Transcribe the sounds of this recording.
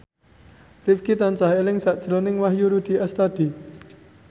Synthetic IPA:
rifkit̪ant͡ʃahelɪŋsaʔd̥ʒ̥ɾonɪŋwaɦjuɾud̪̥i̤ɛst̪ad̪̥i̤

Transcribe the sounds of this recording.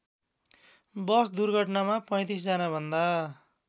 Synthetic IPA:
bʌsd̪urɡʱʌʈnamapʌ̃j̃t̪is̬d͡zʌnabʱʌnd̪a

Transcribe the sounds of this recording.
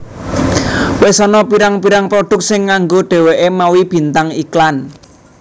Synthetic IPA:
wesɔnɔpiɾaŋpiɾaŋpɾoɖ̥ʊ̤k̚sɪŋːaŋɡoɖ̥e̤weʔemawib̥i̤nt̪aŋiklan

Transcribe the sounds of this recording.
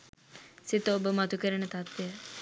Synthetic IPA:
sit̪əobəmat̪ukəɾənət̪at̪ʋejə

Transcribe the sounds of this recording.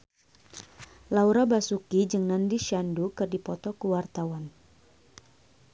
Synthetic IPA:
lauɾabasukid͡ʒɨŋnandiʃandukɨrdipɔt̪ɔkəwart̪awan

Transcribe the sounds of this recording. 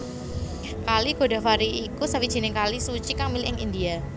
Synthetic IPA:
kaliɡ̥o̤da̤faɾiːkusawid̥ʒ̥i̤nɪŋkalisut͡ʃikamilʔɪŋḭndia

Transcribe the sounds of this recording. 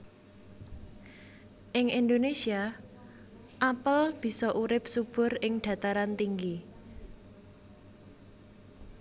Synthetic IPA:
ʔɪŋʔind̪onesia | ʔapəlb̥i̤sɔʔuɾɪp̚sub̥ʊ̤ɾɪŋɖ̪̥ä̤t̪aɾant̪iŋɡi

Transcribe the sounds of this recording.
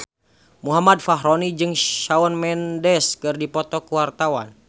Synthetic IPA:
muɦamad̚faɦɾɔnid͡ʒɨŋʃaɔnmɛndɛskɨrdipɔt̪ɔkuwart̪awan

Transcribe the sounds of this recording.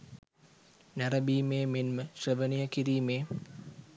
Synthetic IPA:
næɾɐbiːmeːmenməsrəʋənijəkiɾiːmeː

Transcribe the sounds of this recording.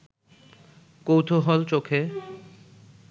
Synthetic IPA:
kowt̪ʰoɦɔlt͡ɕokʰe

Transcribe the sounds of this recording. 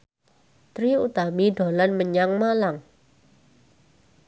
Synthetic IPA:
t̪ɾiut̪amiɖo̤lanməɲaŋmalaŋ

